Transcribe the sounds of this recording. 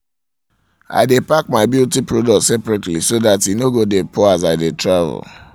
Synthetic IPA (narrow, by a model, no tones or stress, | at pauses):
a̰ɪdepak̚maɪbiltipɹodɔk̚tsɛpɹɛtlḭsoðatinoɡodepʰɔazaɪdetɹavɛ̰l